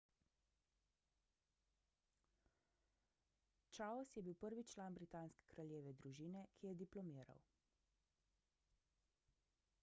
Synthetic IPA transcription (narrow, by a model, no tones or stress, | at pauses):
t͡ʃaɔsjɛbiwpəɾʋit͡ʃlaːnbɾit̪aːnskɛ̥kɾaljeːʋɛd̪ɾuʒiːnɛkʰijɛd̪iplɔmiːɾa̰w